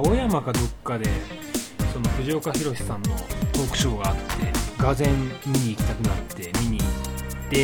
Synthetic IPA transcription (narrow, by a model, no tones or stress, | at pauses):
ojamakad̪o̞kːad̪e̞ | so̞no̞ɸɯ̟ʑio̞kaçiɾo̞ɕi̥sãnːo̞̰t̪o̞ːkɯ̟̥ɕo̞ːɡaːt̪ːe̞ɡazẽ̞mːʲiɲ̟iːkʲi̥t̪akɯ̟nat̪ːe̞mʲiɲ̟iːt̪ːe̞